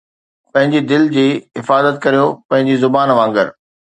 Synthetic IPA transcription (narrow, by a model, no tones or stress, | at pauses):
pɐ̃ɦɪ̃ɲd͡ʑid̪ɪld͡ʑiːɦɪfaːzət̪̚kɐɾijopɐ̃ɦɪ̃ɲd͡ʑizʊbaːnʋãːŋɡə̰ɾ